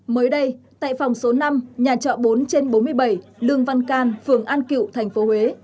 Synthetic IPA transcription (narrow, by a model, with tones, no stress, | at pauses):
məː˨˦jɗə˧jt̪a̰ː˧˨jfa˨˩wŋ͡mso˨˦na˧mɲaː˨˩t͡ɕɔ̰˧˨ɓo˨˦nt͡ɕe˧nɓo˨˦nmɨ˧əjɓa˧˩jlɨ˧əŋva˧nkaː˧nfɨ˧˩əŋʔaː˧nkḭ˧˩˨wt̪ʰɛ˨˩jŋ̟fo˨˦hwe˨˦